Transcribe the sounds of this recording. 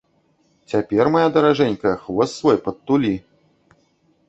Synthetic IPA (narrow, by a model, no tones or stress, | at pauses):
t͡sʲapʲɛrmajad̪ɐɾaʐɛnʲkɐxvɔsːvɔjpɐt̪ːulʲi